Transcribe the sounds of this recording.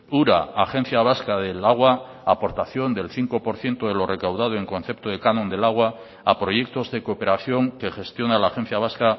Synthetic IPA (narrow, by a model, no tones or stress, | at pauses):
uɾaaxe̞n̟θjaβ̞askaðelaɣwa | apo̞ɾt̪aθjo̞nd̪e̞lθiŋko̞po̞ɾθje̞nt̪oðelo̞rʔe̞kawðað̞oe̞ŋkõ̞nθe̞p̚t̪oðekanõ̞nd̪elaɣ̞wa | apɾo̞je̞k̚t̪o̞zðe̞kope̞ɾaθjo̞ŋkexe̞st̪jo̞nalaːxe̞n̟θjaβ̞aska